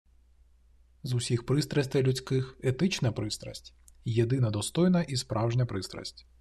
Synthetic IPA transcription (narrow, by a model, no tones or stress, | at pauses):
zʊsʲixpɾɪst̪ɾɐsʲt̪ɛjlʲut͡sʲkɪxet̪ɪt͡ʃnɐpɾɪst̪ɾɐ̰sʲtʲ | jed̪ɪnɐd̪ɔst̪ɔjnɐʔispɾʔɑwʒnʲɐpɾɪst̪ɾɐ̰sʲtʲ